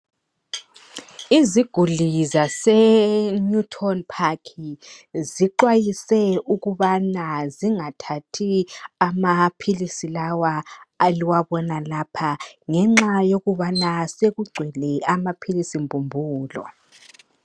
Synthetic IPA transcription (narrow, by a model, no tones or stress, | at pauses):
iziɡ̥ʱulizasɛɲutʰɔnpʰakʰiziǃwajisɛuɣuβanaziŋatʰatʰiamapʰilisilawaːliwaβɔnalapʰaŋɛŋ͡ǁajoɣuβanaseɣuɡ͡ǀʱwɛlɛamapʰilisimbʱumbʱuːlɔ̰